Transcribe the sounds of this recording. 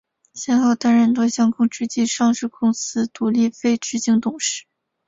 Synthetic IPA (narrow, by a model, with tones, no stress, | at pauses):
ɕjɛ˥˧nxɑ˥˩ʊt̪a˥nɻə˥˩nt̪wɔ˥ɕjɑ˥ŋkʰʊ˥˧ŋʈ͡ʂy˥t͡ɕi˥˧ʂɑ˥˧ŋʂɻ̩˥˧kʰʊ˥˧ŋsɹ̩˥t̪u˨˩li˥˩fe˥ɪʈ͡ʂɻ̩˥t͡ɕi˥˩ŋt̪ʊ˨˩ŋʂɻ̩˥˩